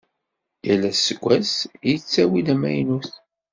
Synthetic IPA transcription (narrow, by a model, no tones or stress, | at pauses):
jælːæsəɡʷæsjət͡sːæwid̪æmæ̰jnuθ